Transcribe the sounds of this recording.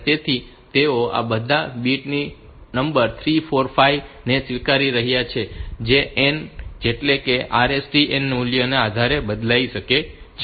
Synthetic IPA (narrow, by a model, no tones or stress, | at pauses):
t̪et̪ʰi | t̪eoa̰bəd̪ʱabiʈni | nəmbəɾt̪ʰɾifoɾfaiʋ | nesʋikaɾiɾəɦjat͡ʃʰed͡ʒeʔend͡ʒeʈlekeʔaɾesʈienːuljənead̪ʱaɾebəd̪lajiʃəke | t͡ʃʰ